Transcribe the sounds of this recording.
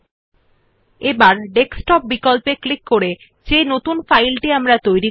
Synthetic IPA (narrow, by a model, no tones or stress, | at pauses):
ebaɾɖeksʈɔp̚bikolpeklikːoɾe | d͡ʑenot̪unfajlʈiamɾat̪ojɾi